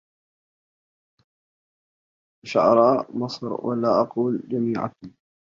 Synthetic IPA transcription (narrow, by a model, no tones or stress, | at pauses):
ʃa̰ʕɾˤɑːmɑsˤɾwa̰laːʔɑquːld͡ʒamiːʕa̰